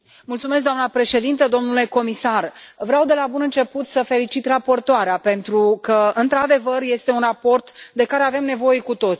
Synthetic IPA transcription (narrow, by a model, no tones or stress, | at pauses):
mult̪sumesk̚d̪oamnəpɾe̞ʃe̞d̪int̪əd̪o̞mnule̞ko̞misarvɾeawd̪e̞labunɨnt͡ʃe̞put̪səfe̞lit͡ʃit̪rapo̞rt̪oaɾeape̞nt̪ɾukəɨnt̪ɾad̪e̞vərje̞st̪e̞unrapo̞rt̪d̪e̞kaɾe̞ave̞mne̞vo̞je̞kut̪o̞t̪sʲi